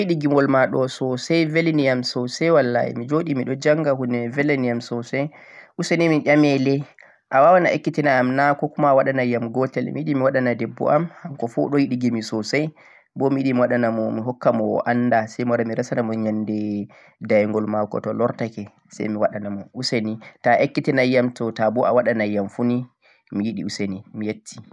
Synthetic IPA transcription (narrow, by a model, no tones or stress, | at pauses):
jiɗiɡiŋɡɔlmaɗɔsɔsajvelinijamsɔsɛwalːa̰jḭmid͡ʒoɗimiɗɔd͡ʒaŋɡahunɛvɛleniamsɔsɛj | ʔusɛnɛmiʄʲamɛlɛ | ʔawawana̰ʔḛkːitinaːmnakɔkumawaɗanajamɡɔtɛl̰miiɗimiwaɗanadɛbːɔ̰ʔamhamkɔfɔ̰ɗɔjiɗiɡimisɔsaj | bɔmijiɗimiwaɗanamɔmiɦɔkːamɔ̰ʔanːdasajmɔɾamiɾɛsanamɔɲandɛ | dajŋɡɔlmakɔ̰tɔlɔɾtakɛ | sa̰jmiwaɗanamɔʔusenitaʔekːitinajːamtɔtabɔʔawaɗanajamfuni | mijiɗḭusenimijetʰːi